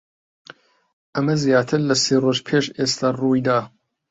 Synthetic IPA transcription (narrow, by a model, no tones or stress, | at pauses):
ʔɐmɐzjaːt̪ʰɨɾlɐseːroʒpʰeːʃeːst̪ʰaruːjd̪aː